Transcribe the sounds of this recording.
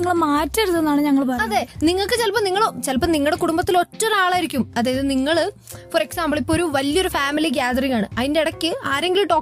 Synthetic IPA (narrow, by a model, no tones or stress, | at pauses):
iŋːɐɭmaːtːɐɾuðenːaːɳɨɲɐŋːɐɭpɐɐðe̞ːniŋːɐɭkːɨt͡ɕelpɐmniŋːɐɭoːmt͡ɕelpɐmniŋːɐɭɽekuɽumbɐt̪ːilo̞tːɐnaːɭaːjiɾikʲːumɐðaːjɐðɨniŋːɐɭ | foɾeksaːmbɐɭipːooɾuʋɐljo̞ɾufaːmiliɡ̬aːd̪ɐriŋaːɳɨɐðinde̞iɽɐkʲːɨaːɾeŋɡilɖo̞ː